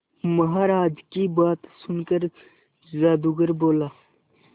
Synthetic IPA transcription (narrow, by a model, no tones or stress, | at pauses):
mɐɦaːɾaːd͡ʒkiːbaːt̪sʊnkəɾ | zaːd̪uɡəɾboːlaː